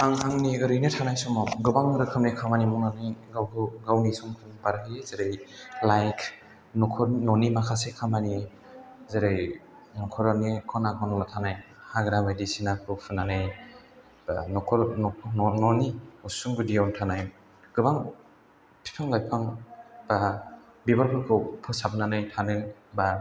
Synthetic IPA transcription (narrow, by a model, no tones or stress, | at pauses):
aŋɦaŋniɡɯɾɯjnɯtʰanajsɔmɔɡɯbaŋɾɯkʰɯmnikʰamanimɔnanijɡawkʰɯɡawnisuŋpʰɯnpaɾkʰiezeɾejlajkʰ | nɔkʰɔnɔnimakʰasekʰamani | zeɾej | nɔkʰɔɾanikʰɔnakʰɔnɔlatʰanaj | haɡɾamajdisinakʰɯpʰɯnanɯj | anɔkʰɔɾɔnɔnɔniusuŋbɯdijawntʰanaj | ɡ̥ɯbaŋ | pʰi̥pʰaŋlajpʰaŋb̥a | bibaɾkʰɯkʰɯwpʰɯsabɯnanɯjtʰanɯba